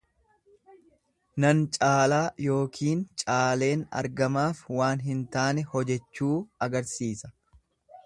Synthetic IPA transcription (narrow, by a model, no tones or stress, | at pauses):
nɐnt͡ʃʼaːlaːjo̞ːkʰiːnt͡ʃʼaːle̞ːnɐ̰ɾɡɐmaːfwaːnɦɪnt̪aːnɛhɔd͡ʒɛt͡ʃːuːɐɡɐɾsiːsɐ̥